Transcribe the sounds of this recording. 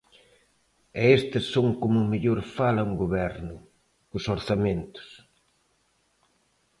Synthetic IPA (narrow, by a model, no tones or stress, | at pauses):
ɛest̪ɪsːoŋkomʊmeʎoɾfalɐŋɡoβɛɾnʊ | ʊsoɾθamẽnt̪ʊ̥s